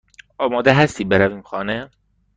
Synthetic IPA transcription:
ɒːmɒːd̪eɦæst̪iːbeɾæviːmxɒːne

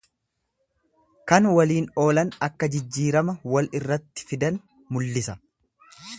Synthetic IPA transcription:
kɐnwɐliːnoːlɐnɐkːɐd͡ʒɪd͡ʒːiːɾɐmɐwɐlɪrːɐt̪ːɪ̥fɪd̪ɐn | mʊlːɪsɐ

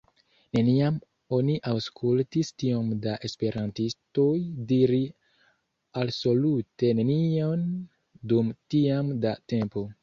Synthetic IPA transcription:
ne̞niam | o̞niʔawskʰultistio̞mdaʔe̞spe̞ɾantisto̞jdiɾi | also̞lute̞ne̞nio̞n | dumtiamdate̞mpo̞

